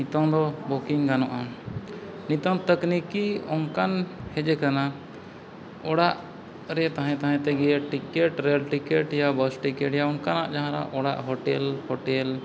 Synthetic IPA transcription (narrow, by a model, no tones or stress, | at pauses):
nit̪ɔŋd̪ɔbokiŋɡanɔʔa | nit̪ɔŋt̪əknikiɔŋkanhɛd͡ʒɛkana | ɔɽaʔ | ɾɛt̪aɦãt̪aɦãt̪ɛɡɛaʈikɛʈɾɛlʈikɛʈjabəsʈikɛʈjaɔŋkanaʔd͡ʒaɦãɾa̰ʔɔɽa̰ʔɦɔʈɛlhɔʈɛl